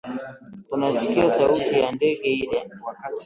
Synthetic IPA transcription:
tunasi̥kiasautijandɛɡɛiɗɛwaka

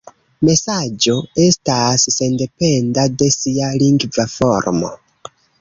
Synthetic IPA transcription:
me̞sad͡ʒo̞e̞stasːe̞nde̞pe̞ndade̞sialiŋɡvafo̞ɾmo̞̰

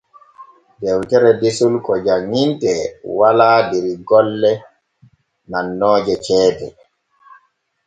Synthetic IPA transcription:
dɛwtɛɾɛdisulkɔd͡ʒaŋintɛwalaːdɛɾiɡɔlːɛ | nanːɔːd͡ʒɛt͡ʃɛːtɛ̰

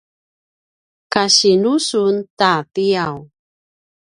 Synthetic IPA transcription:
kaɕinusuntatiaw

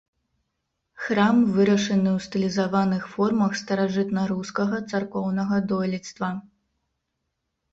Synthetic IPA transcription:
xɾamvɨɾɐʂɐnɨwst̪ɨlʲizavanɨxfɔrmɐxst̪ɐɾaʐɨt̪nɐɾuskɐɣɐt̪sarkɔwnɐɣɐd̪ɔlʲit̪st̪vɐ

